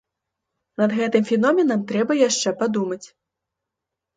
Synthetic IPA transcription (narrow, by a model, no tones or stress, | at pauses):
nɐd̪ɣɛt̪ɨmfʲɛnɔmʲɛnɐmt̪ɾɛbɐjaʂt͡ʂɛpad̪umɐt͡sʲ